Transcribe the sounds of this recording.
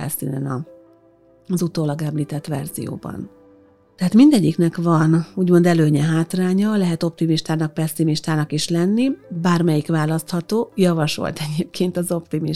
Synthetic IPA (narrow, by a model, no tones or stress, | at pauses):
ɛ̰lsḭːnɛnɒ | zut̪oːlɒɡɛmliːt̪ɛt̪ʋɛ̰rzḭjo̰ːbɒ̰n | t̪ɛɦaːt̪mind̪ɛɟːiknɛkʋɒnuːɟmo̞nd̪ɛløːɲɛɦaːt̪raːɲɒlɛɦɛt̪o̞pt̪imiʃt̪aːnɒk̚pɛsːimiʃt̪aːnɒkiʃlɛnːibaːrmɛjikʋaːlɒst̪hɒt̪oːjɒvɒʃo̰lt̪ɛɟeːp̚kʰeːnt̪ɒzo̞pt̪imi